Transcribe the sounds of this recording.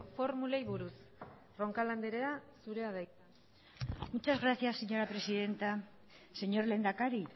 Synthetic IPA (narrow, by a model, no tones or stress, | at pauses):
fo̞ɾmulejβuɾus | ro̞ŋkaland̪eɾeasuɾe̞aða | mut͡ʃazɣɾasiasːeɲo̞ɾapɾe̞siðe̞nt̪a | se̞ɲo̞ɾle̞ːnd̪akaɾi